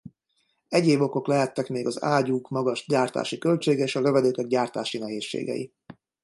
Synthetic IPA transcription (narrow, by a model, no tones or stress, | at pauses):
ɛɟeːbo̞ko̞klɛɦɛt̪ːɛkmeːɡɒza̰ːɟukmɒɡɒʃɟaːrt̪a̰ːʃikølt͡ʃeːɡɛeːʃɒlø̞vɛd̪øːkɛɡ̚ɟaːrt̪aːʃinɛɦeːʃːḛːɡɛ̰jḭ